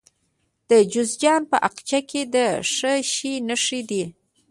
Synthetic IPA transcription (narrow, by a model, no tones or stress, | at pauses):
d̪̥əd͡ʒʊzd͡ʒɑnpəʔaqt͡ʃakʰed̪əʂəʃinəʂid̪i